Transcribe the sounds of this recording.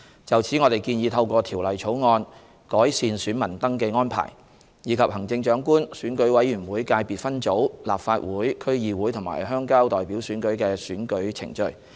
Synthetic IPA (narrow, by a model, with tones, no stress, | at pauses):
t͡sɐ˨wt͡sʰiː˨˥ŋɔː˨˧t̪e˨jkiː˧njiː˨˧t̪ʰɐ˧wkʷɔː˧t̪ʰiː˨˩wlɐ˨˩jt͡ʃʰo˨˥wŋɔː˧n | kɔː˨˥jsiː˨˧nsyː˨˥nmɐ˨˩nt̪ɐ˥ŋkɛː˧ŋɔː˥npʰa̰ː˨˩j | jiː˨˧kʰɐ˨p̚hɐ˨˩ŋt͡sɪ˧ŋt͡ʃœː˨˥ŋkuː˥nsyː˨˥nkɵ˨˥ɥwɐ˨˧˥jːyː˨˩nwuː˨˥jkaː˧jpiː˨t̚fɐ˥nt͡so˨˥wla̰ː˨p̚faː˧t̚wuː˨˥jkʰɵ˥ɥjiː˨˧wuː˨˥jt̪ʰʊ˨˩ŋma̰ː˨˩jɦœː˥ŋkaː˥wt̪ɔː˨jpiː˨˥wsyː˨˥nkɵ˨˥ɥkɛː˧syː˨˥nkɵ˨˥ɥt͡sʰɪ̰˨˩ŋt͡ʃɵ̰˧ɥ